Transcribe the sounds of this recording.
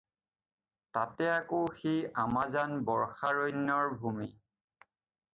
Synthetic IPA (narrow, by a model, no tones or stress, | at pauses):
tatɛakoxejamazanbɔɹxaɹɔjnːɔɹbʱumi